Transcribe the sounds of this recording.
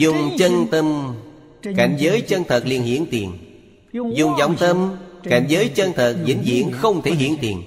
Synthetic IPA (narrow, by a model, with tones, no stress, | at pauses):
zʊ˨˩ŋ͡mt͡ɕə˧nt̪ə˧m | ka˧˩jŋ̟zəː˨˦jt͡ɕə˧nt̪ʰə˨˩t̚li˧˩ənhḭ˧˨˥ənt̪i˨˩ən | zʊ˨˩ŋ͡mzɔ̰˧˨wŋ͡mt̪ə˧mka˧˩jŋ̟zəː˨˦jt͡ɕə˧nt̪ʰə˨˩t̚zḭ˧˥ŋ̟zḭ˧˨ənxə˧wŋ͡mt̪ʰe˧˩hḭ˧˥ənt̪i˨˩ən